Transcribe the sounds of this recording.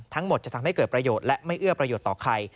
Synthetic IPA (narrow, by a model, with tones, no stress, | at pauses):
t̪ʰa˦˥ŋmo˨˩t̪̚t͡ɕa˨˩t̪ʰa˧mha˥˩kɤː˨˩t̪pɾa˧joː˨˩t̪̚lɛ˦˥ʔma˥˩jʔɯ˥˩ɐpɾa˧joː˨˩t̪ːɔː˨˩kʰa˧j